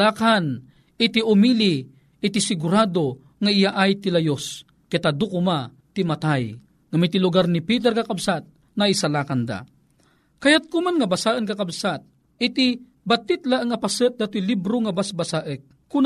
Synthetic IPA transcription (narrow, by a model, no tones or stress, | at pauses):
aːkan | ɪt̪iʊmili | ɪt̪ɪsɪɡʊɾad̪o | ŋaɪjaʔajt̪ilajos | kɪt̪ad̪ukʊma | t̪ɪmat̪aj | ŋamɪt̪ilʊɡaɾnipit̪̬ɛɾkakabsat̪̚ | naisalaːkand̪a̰ | kajat̪̚kʊmanŋabasaʔənkakabsat̪̚ | ɪt̪i | bat̪ːɪt̪̚laəŋapasət̪̚d̪at̪ilibɾoŋabasbasaʔək̚ | kʊn